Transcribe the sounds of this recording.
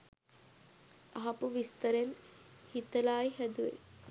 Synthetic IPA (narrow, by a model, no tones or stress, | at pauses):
aɦɐpuʋist̪ɐɾenhit̪ːɐlaːjihɐd̪uʋḛ